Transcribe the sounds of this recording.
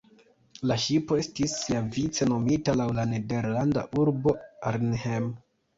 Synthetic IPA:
laʃipo̞e̞stisːiavit͡se̞no̞mitalawlane̞de̞ɾlanda̰ʔuɾbo̞aɾnhem

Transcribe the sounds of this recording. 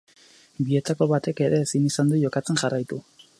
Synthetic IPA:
bie̞t̪ako̞βat̪e̞ke̞ɾe̞ːsinisand̪oʝo̞kat͡se̞nxarajt̪u

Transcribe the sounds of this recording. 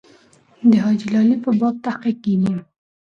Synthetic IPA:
d̪əɦɑd͡ʒilɑlipəbɑb̚t̪ahqiq̚kid̪i

